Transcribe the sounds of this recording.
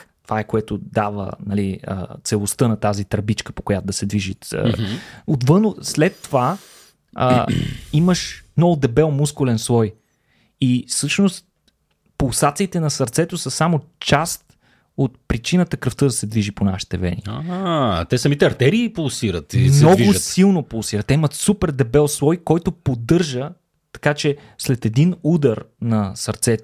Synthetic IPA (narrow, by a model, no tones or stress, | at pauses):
t̪ovaɛkoɛt̪ʊd̪avə̰nɐliə̰t̪sɛlˠost̪ɤnɐt̪azit̪ɾbit͡ʃkə̥po̥kojat̪od̪ɐsɛd̪viʒiə̰ot̪vɤnʊslɛt̪ːova | ə̰iməʃnɔd̪ɛbɛlˠmuskʊlɛnslˠɔj | ifsɤʃnost̪ | polˠsat̪siːt̪ɛnɐsɐɾt̪sɛt̪osəsamot͡ʃast̪̚ | ot̪̚pɾit͡ʃinət̪əkɾəft̪ɤd̪ɐsɛd̪viʒipona̰ʃi̥t̪ɛvɛ̰nḭat̪ɛsɐmit̪ɛɐɾt̪ɛɾiːpulˠsiɾət̪imnɛɔviʒʊsilˠnopulˠsiɾət̪ːɛimət̪supɛɾd̪ɛbɛlˠslˠɔjkɔjt̪opod̪ɤɾʒə | t̪ɐ̥kat͡ʃɛ | slɛt̪ɛd̪inud̪əɾnɐsɐɾt̪sɛt̪